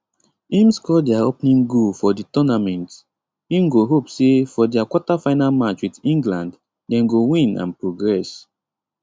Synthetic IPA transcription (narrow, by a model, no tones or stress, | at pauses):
ĩmskɔdɛaopnĩŋɡufɔditɔnamɛ̃nt | ĩmɡoɦopsefɔdɛakwɔtafaɪnalmat͡ʃwitĩŋɡlãnd | dɛ̃mɡowĩnã̰npɹoɡɹɛs